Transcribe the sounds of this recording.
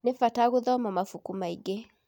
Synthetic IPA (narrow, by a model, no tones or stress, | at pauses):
nefataɣoðɔmɔmafukumaiɡe